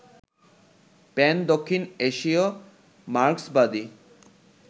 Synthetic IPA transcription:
pɛnd̪okʰːineʃio | maɾksbad̪i

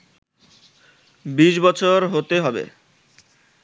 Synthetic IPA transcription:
biʃbɔt͡ɕʰoɾɦot̪eɦɔbḛ

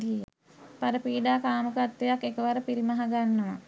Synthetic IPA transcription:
ija̰ | paɾəpiːɖaːkaːməkat̪ːejakːekəʋaɾəpiɾimaɦaɡanːəʋa̰

